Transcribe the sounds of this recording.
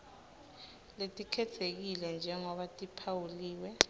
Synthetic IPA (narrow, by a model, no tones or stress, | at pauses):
letʼikʰɛtʰek̬ilɛnd͡ʒʱɛŋɔɓatʼipʰawuliːwɛ